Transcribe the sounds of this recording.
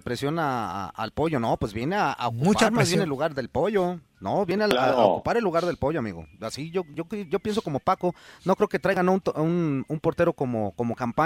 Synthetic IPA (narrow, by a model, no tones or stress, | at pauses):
pɾesjo̞naa̰a̰lpo̞ʝo̞nopwe̞zbje̞neaa̰okupaɾɾmazβenelːuɣaɾðe̞lpo̞ʝo̞ | noβjeneaakupaɾelːuɣaɾðe̞lpo̞ʝoamḭɣo̰asiʝoʝoʝo̞pjens̬o̞ko̞mo̞pakono̞kɾeoket̪ɾajɣanont̪unumpo̞ɾt̪e̞ɾo̞komo̰komokampa